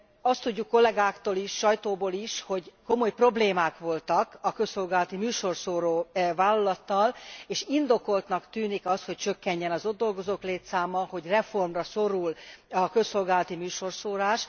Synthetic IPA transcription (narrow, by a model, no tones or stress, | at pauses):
ɒst̪ːuɟːukːo̞lɛɡaːkt̪oːliʃʃɒjt̪oːboːliʃho̞ɟkomo̞jpro̞bleːmaːkʋo̞lt̪ɒkɒkø̞so̞lɡaːlɒt̪imyːʃo̞rsoːɾoːvaːlːɒlɒt̪ːɒleːʃind̪o̞ko̞lt̪nɒkt̪yːnikɒst̪ho̞c̚t͡ʃø̞kːɛɲːɛnɒzod̪ːo̞lɡo̞zoːkleːt̪saːmːɒho̞ɟrɛfo̞rmrɒso̞ɾulɒkø̞sːo̞lɡaːlɒt̪imyːʃo̞rsoːɾaːʃ